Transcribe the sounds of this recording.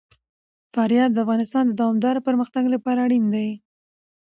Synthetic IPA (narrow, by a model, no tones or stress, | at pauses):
faɾjɑd̪ːəafɣɑnɪst̪ɑnd̪əd̪ɑwɑmd̪ɑɾapəɾməxt̪aɡlapɑɾaːɽind̪aj